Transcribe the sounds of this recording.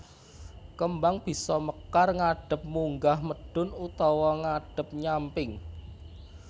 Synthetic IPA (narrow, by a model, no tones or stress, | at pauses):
kəmbaŋb̥i̤sɔməkarŋaɖ̥ə̤p̚muŋɡahməɖ̥ʊ̤nut̪ɔwɔŋaɖ̥ə̤p̚ɲampɪŋ